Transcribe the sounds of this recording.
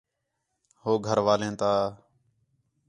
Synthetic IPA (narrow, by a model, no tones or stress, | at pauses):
hoːɡʱəɾʋaːlẽːt̪aː